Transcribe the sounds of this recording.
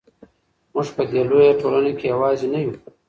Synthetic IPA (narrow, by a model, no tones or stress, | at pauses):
mʊʐpəd̪elojaʈolanekejawɑːzinaju